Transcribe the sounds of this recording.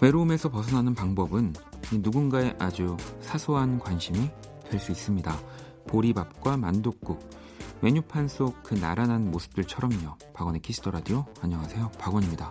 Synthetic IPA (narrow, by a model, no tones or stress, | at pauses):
we̞ɾoːme̞sʰʌpʌsʰʌnɦanɯnpaŋbʌbɯninuɡunɡae̞ʔad͡ʑusʰasʰoɦankwanɕʰimi | twe̞ɭs͈uis͈ɯmɲida | poɾibap̚k͈wamandok̚k͈u | me̞ɲupʰans͈ʰok̚kɯna̰ɾananmosʰɯ̥p̚t͈ɯɭt͡ɕʰʌɾʌmɲʌ | paɡʌnekʰisʰtʰʌɾadijoaɲʌŋɦasʰe̞jopaɡʌɲimɲida